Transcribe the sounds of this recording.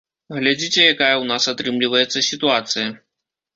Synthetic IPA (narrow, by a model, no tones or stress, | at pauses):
ɣlʲad͡zʲit͡sʲɛjakajɐwnasat̪ɾɨmlʲivɐjɛt̪sːɐsʲit̪uat̪sɨjɐ